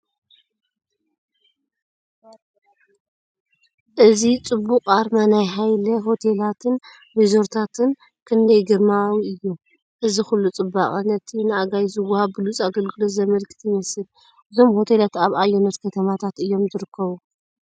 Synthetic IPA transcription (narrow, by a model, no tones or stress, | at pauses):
ʔɨzit͡sʼɨbːuqʼaɾmanajɦajlɐɦo̞t̪ʰelat̪ʰɨn | wizo̞ɾt̪ʰat̪ʰɨn | kʰɨnd̪ɐjɡɨɾmawiɨjːu | ʔɨzixulːut͡sʼɨbːa̰χʼɨnɐt̪ʰinɨaɡajzɨwahaβbɨlut͡sʼaɡɐlɡɨlo̞zɐmɐlkʼɨ̥t̪jɪmɐsɨl | ʔɨzo̞mho̞t̪ʰelat̪aβajonɐt̪kʰɐt̪ʰɐmat̪ʰat̪ɨjːo̞mzɨɾɨkʰːɐβu